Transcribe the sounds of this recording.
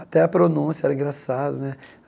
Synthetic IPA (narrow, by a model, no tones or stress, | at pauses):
at̪ɛɐpɾonũsiɐɛɾɐĩŋɡɾasad̪ʊnɛ